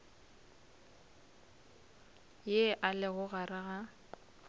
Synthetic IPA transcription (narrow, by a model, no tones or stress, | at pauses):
jeʔalɪɣʊɣarɪɣa